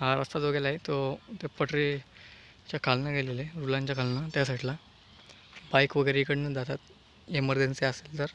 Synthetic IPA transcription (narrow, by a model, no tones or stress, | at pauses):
ɦaɾəst̪ad͡zoɡelaet̪ot̪epəʈɾi | t͡ɕjakʰalnaɡeleleɾulãɲt͡ɕjakʰalnat̪jas̬aʈla | bajkʋəɡəɾeikəɽnəd̪at̪at̪ | jeməɾd̪enseəselt̪əɾ